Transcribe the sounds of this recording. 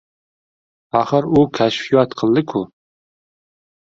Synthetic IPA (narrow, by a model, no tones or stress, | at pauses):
ɑχəɾukʲʰæʃfijɑt̪qʰəlˠd̪ɪkʰu